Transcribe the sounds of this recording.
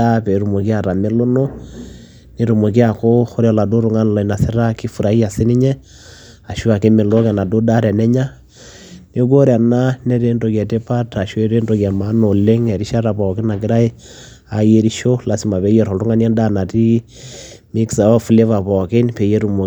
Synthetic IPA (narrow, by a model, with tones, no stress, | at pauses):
a˦pe˨˦ɾu˨mo˨ki˦a˨ɾa˨me˦lo˦no˦ | ne˦ɾu˨mo˨ki˦a˨ko˦xo˦ɾja˨la˨do˦ɾu˦ŋa˦n˨la˨i˨na˨se˦ɾa˦ki˦fu˨ɾa˨i˦a˨si˦ni˦ɲɛ˦ | a˨ʃu˦a˨ke˦me˨lo˦kɛ˨na˨do˦da˦ɾɛ˨nɛ˦ɲa˦ | ne˦k̬o˦ɾja˨na˦ne˦ɾe˦ndo˨kja˨te˦pa˦ta˨ʃe˦ɾe˦ndo˨ka˨ma˦no˨le˦ŋɛ˨ɾi˦ʃa˦ɾa˨pɔ˨ke˦na˨kɪ˦ɾa˦e˦ | a˨je˦ɾi˦ʃo˦la˨˦si˦ma˨βɛ˨˦jɛ˨ɾo˨lu˦ŋa˦ni˦a˦nda˦na˨ti˦ | mi˦ksa˨a˦fu˦le˦βa˨pɔ˨ke˦npe˨je˦ɾu˨mo˨